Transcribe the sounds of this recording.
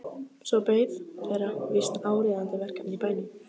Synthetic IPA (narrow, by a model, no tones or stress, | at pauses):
sɔpeːjðθɛɾavɪst̪aːwɾɪðant̪ɪvɛr̥kanipajnɪ